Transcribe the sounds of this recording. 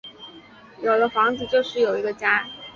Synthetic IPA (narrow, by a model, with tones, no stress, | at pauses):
jo˨˩ʊd̪ə˦fɑ˧˥ŋt͡sɹ̩˨˧t͡ɕjo˥˧ʊʂɻ̩˥˩jo˨˩ʊi˧˥ɡə˧t͡ɕja˥